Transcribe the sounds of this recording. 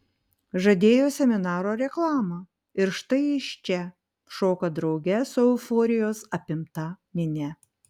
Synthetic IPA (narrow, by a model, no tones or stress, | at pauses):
ʒɐd̪ʲeːjoːsʲɛmʲɪnɑːɾoːɾʲɛklˠɑːmɐ | ɪɾʃt̪ɐɪɪʃt͡ʃʲɛ | ʃoːkɐd̪ɾɒʊɡʲɛsoʊfɔːɾʲɪjoːsɐpʲɪmt̪ɐmʲɪnʲɛ